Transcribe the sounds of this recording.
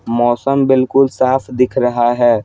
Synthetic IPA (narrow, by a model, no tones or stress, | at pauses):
mɔːsəmbɪlkʊlsaːfʰd̪ɪkʰɾɐɦaɦɛː